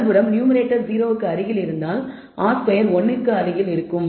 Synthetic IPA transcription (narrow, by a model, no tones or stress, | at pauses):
bɯɾɐmnjuːmɪɾeːʈːɐɾziːɾoːʋɯkːɯɐɾɪɣɪlɪɾɯnd̪aːl | aːspɐjɐɾɔnːɯkːɯɐlɪɣɪlɪɾɯkːɯm